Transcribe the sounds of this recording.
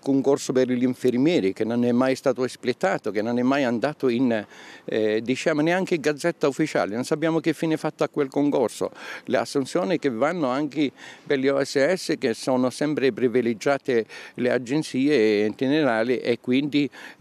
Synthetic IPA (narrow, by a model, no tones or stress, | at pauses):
koŋkorsopɪrʎiɱfɪɾmjɛːɾikenːonɛmːajst̪aːt̪oesplet̪ːaːt̪okenːonɛmːajand̪aːt̪ʊin | d̪it͡ʃaːmoneaŋk̟eɪɡad̪zːɛt̪ːaufːit͡ʃa̰ːlɪnonsapːjaːmokɪfːiːnefat̪ːoakːwelkoŋkorso̰lḛa̰sːunt̪sjɔːnikevːanːʊaŋkɪperliɔɛsːɛsːɪkesːɔːnʊsɛmpɾɪpɾiviled͡ʒːaːt̪elead͡ʒːent̪siːent̪ineɾaːlɪʔekːwind̪i